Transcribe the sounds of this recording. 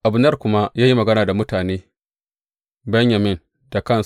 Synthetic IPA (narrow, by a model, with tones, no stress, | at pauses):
ʔa˨bʊ˨˦nɐ˦rkʷʊ˦ma˦jaː˦ji˦mɐ˨ɡɐ˦naː˨da˨mʊ˦taː˨neː˦ | bɐ˦ɲja˨mɪ˦n | d̥a˨kɐ˦˨ns